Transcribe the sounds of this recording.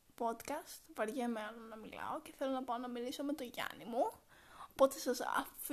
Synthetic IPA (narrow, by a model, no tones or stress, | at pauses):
po̞d̪kɐst̪vɐɾʝemenonɐmilɐ̰o̞ce̞θe̞lo̞nɐpɐonɐmiliso̞me̞t̪o̞ʝɐ̰nimuopo̞t̪e̞sɐsɐ̰f